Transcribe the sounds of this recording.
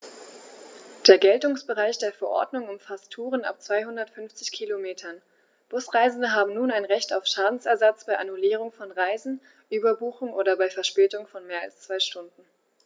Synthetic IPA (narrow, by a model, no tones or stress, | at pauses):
d̥eːɐɡɛltʊŋsb̥əʁaɪçd̥eːɐfɛɐʔɔ̰ɐdnʊŋʊmfastʰuːʁ̞əna̰p̚t͡sv̥aɪɦʊndɐtfʏnft͡sɪçkʰilomeːtʰɐn | b̥ʊsʁ̥aɪzn̩dəɦaːbm̩nuːnaɪnʁɛçtaʊfʃaːdn̩sɛɐzat͡sb̥aɪʔanuliːʁ̞ʊŋfɔnʁaɪzn̩ | ʔyːbɐbuːxʊŋʔoːdɐbaɪfɛɐʃpɛːtʊŋfɔnmeːɐa̰lst͡sv̥aɪʃtʊndn̩